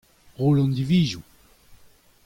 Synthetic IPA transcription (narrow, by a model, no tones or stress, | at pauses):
ʁoːlɑ̃nd̪iviːzũ